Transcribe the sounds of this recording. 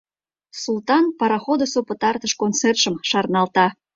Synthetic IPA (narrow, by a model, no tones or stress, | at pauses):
sult̪ɑnpɑɾɑxod̪osopət̪ɑrt̪əʃkont͡serʃəmʃɑrnɑlt̪ɑ